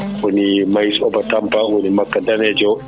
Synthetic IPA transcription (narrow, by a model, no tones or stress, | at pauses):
ɔnimajsɔbatampaʔɔnimakːadanɛd͡ʒɔ